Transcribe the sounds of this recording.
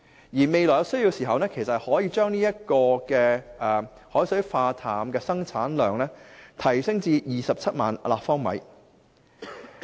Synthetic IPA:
jiː˨˩me˨˧jlɔː˨˩jwsɵ˥ɥji˧wsiː˨˩ɦɐ˨wnɛː˥kʰe˨˩sɐ˨˩t̚hɔː˨˥jiː˧t͡ʃœː˥ŋniː˥jɐ˥t̚kɔː˧kɛː˧ʔɛː˨ | hɔː˨˥jsɵ˨˥ɥfaː˧t̪ʰaː˨˩mkɛː˧sɐ˥ŋt͡sʰaː˨˥nlœː˨ŋnɛː˥t̪ʰɐ˨˩jsɪ˥ŋt͡siː˧jiː˨sɐ˨p̚t͡sʰɐ˥t̚maː˨nlaː˨k̚fɔː˥ŋmɐ̰˨˥j

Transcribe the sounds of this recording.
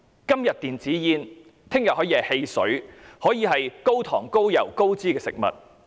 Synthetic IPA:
kɐ˥mjɐ˨t̚t̪iː˨nt͡siː˨˥jiː˧n | t̪ʰɪ˥ŋjɐ˨t̚hɔː˨˥jiː˧hɛ˨he˧jsɵ̰˨˥ɥhɔː˨˥jiː˨˧ɦɐ˨jko˥wt̪ʰɔ̰ː˨˩ŋko˥wjɐ˨˩wko˥wt͡siː˥kɛː˧sɪ̰˨k̚mɐ̰˨t̚

